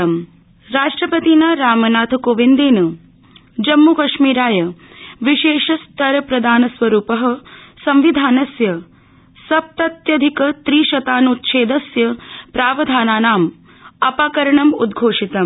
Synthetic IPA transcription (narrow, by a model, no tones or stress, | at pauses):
ɐm | ɾaːʂʈɾɐpɐt̪inaɾaːmɐnaːt̪ʰɐkoːʋind̪eːnɐ | d͡ʒɐmːukɐʃmiːɾaːjɐ | ʋiʃeːʃɐst̪ɐɾɐpɾɐd̪ʱaːnɐsʋɐɾuːpɐɦɐ̆sɐmʋid̪ʱaːnɐsjɐ | sɐp̚t̪ɐt̪jɐd̪ʱikɐt̪ɾiːʃɐt̪aːnut̪ʃeːd̪ɐsjɐpɾaːʋɐd̪ʱaːnaːnaːm | ɐpaːkɐɾɐɳɐmṵd̪ɡʱoːʂit̪ɐ